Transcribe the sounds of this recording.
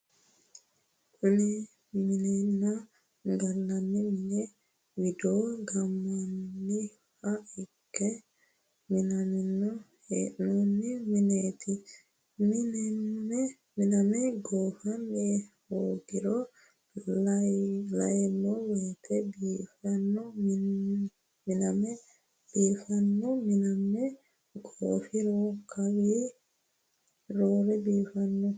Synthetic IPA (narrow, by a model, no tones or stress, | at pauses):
ʔunɛ | minɛna | ŋɡalːanːiminɛ | widɔɡamːanːi | haiɡɛ | minamɛnɔ | hɛnɔnːiminetʰi | minɛɛ | minamɛɡoːfɐne | hoːɡɪɾɔ | lɔlːɐjlɐ̰jɛmːɔwɔːt̪ʰɛbiːfɐnːɔmn | mɪnɐmɛ | b̥iːfɐnːɔmɪnɐmɛ | ɡo̰ːfɪɾɔkʰɐwiː | ɾoːɾɛbiːfɐnːɔ